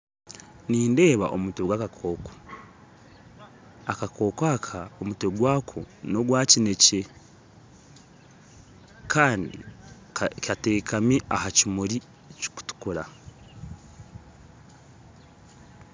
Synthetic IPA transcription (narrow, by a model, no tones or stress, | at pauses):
niːnde̞ːβa̰ʔo̰muteɡwakakʰoːko̥ | akakʰo̞ːkaːkʰaomuteɡwaːkʰo̰no̞ɡwaːcine̞ce | kʰaːndḭ | kʲateːkʰameʔahacimuɾi | ci̥ku̥tu̥kuɾa